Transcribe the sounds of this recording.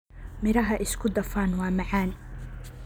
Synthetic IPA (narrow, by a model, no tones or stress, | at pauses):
mɪɾɐɦɐʔɪskʰʊd̪ɐfaːnwɑːmɑʕaːn